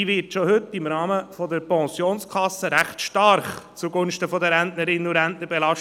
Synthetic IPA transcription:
iʋɪːɾtʃohʏtːɪmɾɑːməfɔdəɾpɑ̃ːsjoːnskʰɑsːəɾæχtʃtɑɾχt͡suɡʊnʃtəfɔdəɾæntnəɾɪnuɾænt̪nəɾbɛlɑʃ

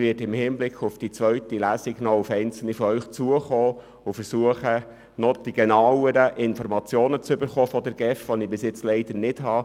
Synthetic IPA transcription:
ʋɪːtɪmhɪːmblɪkχʊfd̥it͡sʋœɥtilæsiɡ̥nɔufɛɪnt͡sl̩nifɔœɥχt͡suəχoː | ʊfəɾsuəχə | nɔd̥iɡenɑwəɾəʔɪnfɔɾmɑt͡sjoːnət͡sʏbəɾχoːfɔd̪ɛɾɡ̥ɛfʋɔnɪbɪsɪt͡slɛɪd̥̪əɾnɪd̥hɑː

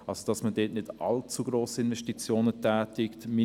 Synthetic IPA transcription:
ʔɑlzod̥ɑsmədeːtnɪdʔɑ̰lt͡suɡɾoːsəɪnvɛʃtit͡sjoːnətʰɛːtɪktmi

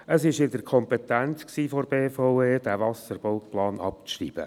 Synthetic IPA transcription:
əsɪʃɪdəkʰɔmpet̪ænt͡sksiːfoɾbeːfɔʊeːd̥ævɑsəɾb̥oʊtplɑːnɑp̚t͡sʃrḭːb̥ə̰

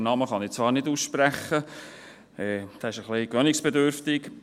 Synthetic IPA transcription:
nɑməχɑnit͡sʋɑːɾnɪduːsʃpɾæχə | ɛːd̪̥ɛːɪʃəχlikʋœnɪksb̥ed̪øɾft̪ɪk

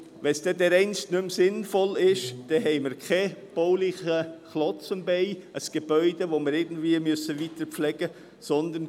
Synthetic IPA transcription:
ʋɛnsd̥ɛːdɛɾɛɪnstnʏmsɪnfɔlɪʃd̥ɛɦɛɪməɾkʰɛb̥ɔʊlɪχəχlɔt͡sənbɛɪəsɡ̥eb̥œʏdevoməɾɪɡn̩d̥viəmøsəvitəɾp͡flɛɡ̥ə | sɔnd̪ən

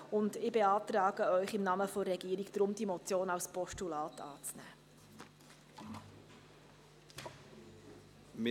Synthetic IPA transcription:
ʊndɪbeɑːtɾɑːɡəœʏχɪmnɑːməfɔrɛɡ̥iːəɾiɡd̥̪ɾʊmd̥̪imɔt͡sjoːnɑlspɔʃtulɑːtʰɑ̰ːt͡snæ̰ː | m

